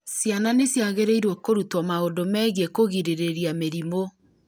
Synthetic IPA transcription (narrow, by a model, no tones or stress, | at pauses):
sjananesjaɣeɾeiɾwɔkoɾutwɔmaondomɛːɣekoɣiɾeɾeɾiameɾimo